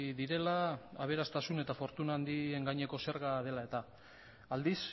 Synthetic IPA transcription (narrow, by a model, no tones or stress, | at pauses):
ðiɾe̞laaβ̞e̞ɾast̪asune̞t̪afo̞ɾt̪unaːnd̪ie̞ŋɡaɲe̞ko̞se̞ɾɣað̞e̞lae̞t̪a | ald̪is